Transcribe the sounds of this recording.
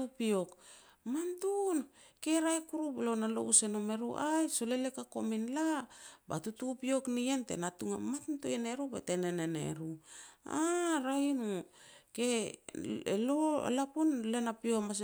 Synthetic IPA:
upiokmantunke̞ɾaekuɾublo̞nalo̰usenome̞ɾuʔajso̞lelekakominlaba̰tutupio̞knientḛnatuŋamatuntuene̞ɾubḛtenenenḛɾuaɾainuke̞ | ḛloḛlapunle̞napiomas

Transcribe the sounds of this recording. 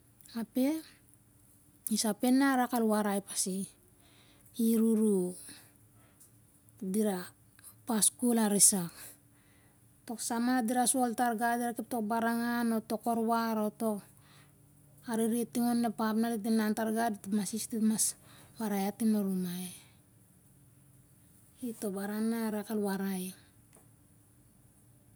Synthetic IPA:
ape̞ | isape̞nːaɾakalwaɾajpasi | iɾuɾu | diɾa | paskulaɾisak | to̞ksamadiɾasuoltaɾɡadiɾakep̚to̞k̚baɾaŋano̞to̞ko̞ɾwaɾoto̞k | aɾiɾietiŋonːepapnalidinlantaɾɡadtmasistitmaswaɾajatinoɾumae | itobaɾaŋnaɾakalwaɾai

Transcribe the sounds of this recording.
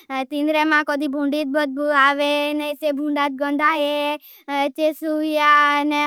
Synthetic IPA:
t̪ĩnd̪ɾemãkɔd̪ibʱũɳɖit̪̚bət̪̚baʋenəjsebʱũɳɖat̪̚ɡɔnd̪ʱaɦe | t͡ʃesujane

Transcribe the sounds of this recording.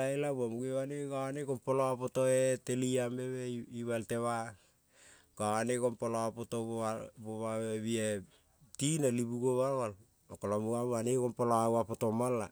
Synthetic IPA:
aelaβamuɡewaneɡanekompoloapotoeteliameβeiβalteβa | ɡaanekompolopotooaboβaβeβie | tinalibuɡoβalwal | okolamuaβanekompoloawapotomala

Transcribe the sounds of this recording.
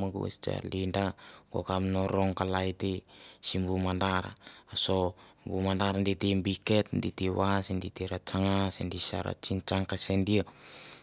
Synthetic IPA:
maɡṵḛst͡ʃa̰lindaɡ̥o̰kamnoɾoŋkalajtesimbumandaɾa̰asombumandaɾanditembiketnditewasenditeɾat͡ʃaŋasendisa̰ɾa̰t͡ʃint͡ʃaŋkasendia

